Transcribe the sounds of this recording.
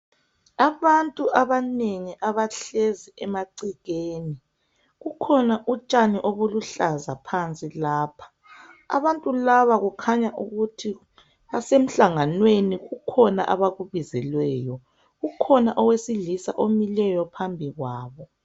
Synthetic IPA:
aβantʼuʔaβaneŋiʔaβaɬeziɛmaǀiɣeːni | ɣukʰɔnaʔut͡ʃʼaniʔoβuluɬazapʰant͡sʼilaːpʰḁ | a̰βantʼulaβaɣukʰaɲaʔuɣutʰi | βasem̩ɬaŋanweniɣukʰɔna̰ʔaβaɣuβizɛlwɛːjɔ | ɣukʰɔnaʔɔwesiɮisa̰ʔomilɛjɔpʰambʱiɣwaːβɔ

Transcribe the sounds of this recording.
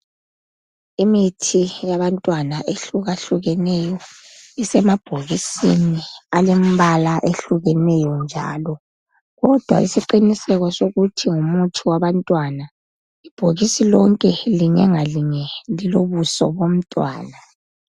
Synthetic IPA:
imitʰijaβantʼwanaʔeɬuɣaɬuɣɛnɛjɔisɛmab̥ʱoɣisinialem̩βalaʔeɬuɣɛnɛjɔnd͡ʒʱa̰ːlɔ | ɣɔd̥ʱwa̰isiǃinisɛɣɔsoɣutʰiŋumutʰiwaβantʼwana | ib̥ʱoɣisilɔŋkʼɛliɲɛŋaliɲɛliloβusɔ̰βom̩tʼwa̰ːna

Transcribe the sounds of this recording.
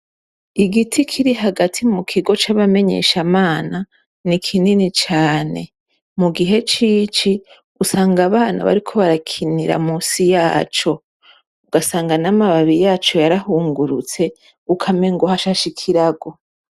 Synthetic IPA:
iɡitʰikʰiɾiɦaɡatʰimukʰiɡo̞t͡ʃaβame̞ɲe̞̰ʃamaːna | nikʰininit͡ʃaːne̞̰ | muɡiɦe̞t͡ʃiːt͡ʃi | usaːŋɡaβaːna̰βa̰ɾikʰo̞βaɾakʰiniɾa̰muːsijaːt͡ʃo̞ | uɡasaːŋɡanamaβaβijaːt͡ʃo̞jaɾahuːŋɡuɾut͡se̞ | ukʰame̞ŋɡohaʃaʃikʰiɾaɡo̞

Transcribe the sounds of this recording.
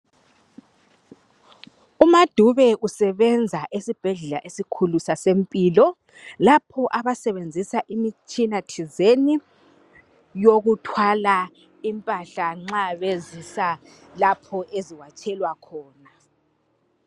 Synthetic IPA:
umad̥ʱuβɛʔusɛβɛnd͡zʱaʔesib̥ʱɛɮɛlaʔesikʰulusasempʼiːlɔ | lapʰɔʔaβasɛβend͡zʱisaʔimit͡ʃʼinat͡ʃʰizeni | joɣutʰwala | impʼaɬaŋ͡ǁaβezisa | lapʰɔʔeziwat͡ʃʼɛlwakʰɔːna

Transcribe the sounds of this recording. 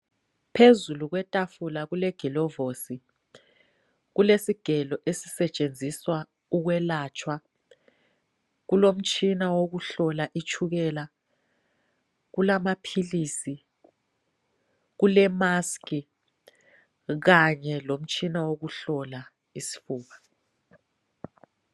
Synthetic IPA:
pʰezuluɣwɛtʼafulaɣulɛɡ̥ʱilɔvosi | ɣulesiɡ̥ʱɛlɔʔesi̥sɛt͡ʃʼend͡zʱiswa | uɣwɛlaːt͡ʃʰʼwa | ɣulom̩t͡ʃʰʼinawoɣuɬɔlaʔit͡ʃʰuɣɛːla | ɣulamapʰiliːsi | ɣulɛmaskʼi | ɣaɲɛlom̩t͡ʃʰʼinawoɣuɬɔla | isi̥fuːβa

